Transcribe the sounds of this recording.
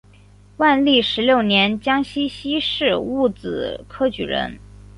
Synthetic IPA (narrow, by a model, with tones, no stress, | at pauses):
wa˥˧nli˥˩ʂɻ̩˧˥ljo˥˩ʊnjɛ˧˥nt͡ɕjɑ˥ŋɕi˥ɕi˥ʂɻ̩˥˩˧u˥˩t͡sɹ̩˨˩kʰɤ˥t͡ɕy˨˩ɻə̰˧˥n